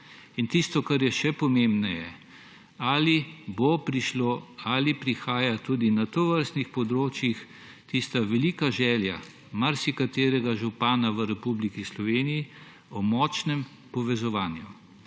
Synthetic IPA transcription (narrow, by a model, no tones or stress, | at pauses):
int̪ist̪ɔkaɾjɛʃɛpɔmembnɛjɛ | aːlibopɾiʃloalipɾixaːjat̪uːd̪inat̪oʋəɾst̪nixpɔd̪ɾoːt͡ʃjix | t̪ist̪aʋɛliːkaʒɛːlja̰ | maɾsikat̪eːɾɛɡaʒupaːnaʋəɾɛpublikislɔʋeːniji | ɔmɔt͡ʃnɛm | pɔʋɛzɔʋaːnju